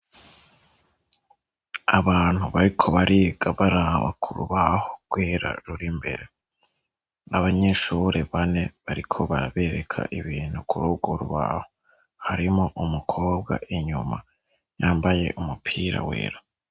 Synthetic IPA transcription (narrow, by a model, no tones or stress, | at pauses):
aβaːn̥huβaɾikʰo̞βaɾʔiːɡ̥aβaɾaβa̰kʰuɾṵβahoɡ̥we̞ːɾa̰ɾuɾimbe̞̰ɾe | aβaɲe̞ʃuːɾʔe̞βane̞βaɾikʰo̞βaɾaβe̞ɾekʰa̰ʔiβiːn̥hukuɾuːɡ̥o̞ɾuβa̰ho | haɾimoʔumukʰo̞ːb̚ɡa̰ʔiɲuma | jaːmbaje̞̰ʔumupʰiːɾa̰we̞̰ːɾa